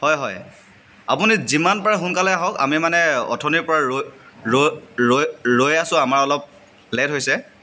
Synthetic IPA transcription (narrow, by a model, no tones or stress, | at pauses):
hɔjɦɔj | apunizimanpaɹɛxunkalɛjaɦɔka̰mimanɛɔ̰tʰɔnipɔɹaɹɹoɹoɹojasʊ̃amaɹɔlɔp̚ | lɛtɦojsɛ